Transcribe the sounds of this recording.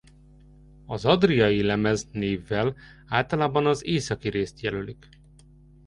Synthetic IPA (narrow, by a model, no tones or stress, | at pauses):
ɒzɒd̪rijɒilɛmɛzneːvːɛl | aːlt̪ɒlaːbɒnɒzeːsɒkiɾeːst̪jɛlølik